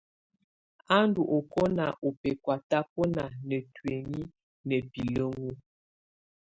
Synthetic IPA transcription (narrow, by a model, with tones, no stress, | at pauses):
a˦ndu˨ʔo˨kɔ˦na˨ʔo˨pe˨kwa˨ta˦po˦na˨nə˨twe˨ŋi˦ | nə˨pi˨lə˦ŋu˦